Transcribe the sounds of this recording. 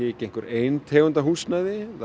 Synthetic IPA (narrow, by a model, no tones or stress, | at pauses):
ɪːcẽjŋ̥kʏɾeːjnt̪ʰɛːɣʏnt̪aɦusnajðɪθ